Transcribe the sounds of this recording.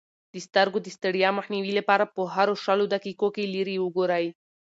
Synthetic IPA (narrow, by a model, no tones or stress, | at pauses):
d̪əst̪aɾɡod̪əst̪əɽjɑmaxniwilapɑɾapəɦaɾoʂalod̪akikokeliɾiwəɡoɾaj